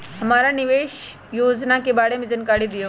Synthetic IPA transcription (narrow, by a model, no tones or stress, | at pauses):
ɦɐmaːɾanɪʋeːʃ | joːd͡ʒnakebaːɽemẽd͡ʒɐnkaːɽid̪ɪjoː